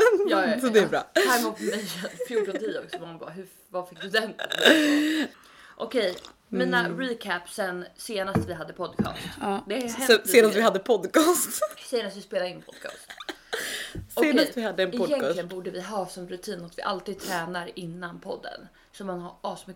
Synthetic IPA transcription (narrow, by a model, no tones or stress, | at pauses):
jɑːsɔd̪ɛæɾbɾɑ̰ːhæɾmut̪fmɛjɛfjuːʈːɔnt̪ʰiːʊksɔmɔŋbɑ̰ɦɵ | vafɪk̚ːd̪ɵd̪ɛn | ʔɔkʰɛj | miːnaɾiːkʰæpsɛnseːnast̪vɪɦad̪ːəpʰɔd̪kʰɑ̰ːst̪ːd̪ɛhɛɛseːd̪at̪vɪɦad̪ːəpʰɔd̪ːkʰɑːst̪sɛjəɾat̪vɪspeːlaɾɪnpʰɔd̪kʰɑ̰ːst̪ | sɔeːnast̪vɪhad̪ːəɛnʰɔjɛnŋlɪənbuːɖəvɪɦɑːsɔmɾɵt̪ʰiːnɔt̪vɪʔalt̪iːd̪̚t̪ʰɾɛːnaɾɪnːanpʰɔd̪ːə̰n | sɔmːanhaɾɑːsmʏ